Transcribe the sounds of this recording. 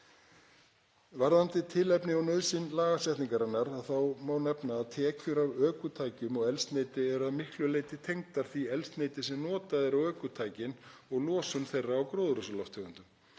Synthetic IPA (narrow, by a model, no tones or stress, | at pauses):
vaɾðant̪ɪt̪ʰɪlɛpnɪawnœðsɪnlaːɣasɛht̪niŋkaɾanːaɾaðθawmawnɛpnaːðt̪ʰɛːcʏɾavœːkʏt̪ʰaːjcʏmɔɣɛlst̪nejt̪ɪɛɾaðmɪhklʏleːjt̪ɪt̪ʰejŋt̪aɾ̥θviɛlst̪nejt̪ɪsɛmnɔːt̪aðɪɾawœːkʏt̪ʰaːjcɪnɔɣlɔːsʏmθejrːaːwkɾoːðɾʏsʏlawft̪ʰœːɣʏnt̪ʏm